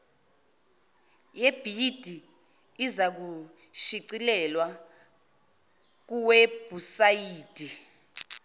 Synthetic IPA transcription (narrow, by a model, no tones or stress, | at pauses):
jeb̥ʱid̥ʱiː | zak̬u | ʃiǀilɛlwa | k̬uweb̥ʱusajiːd̥ʱi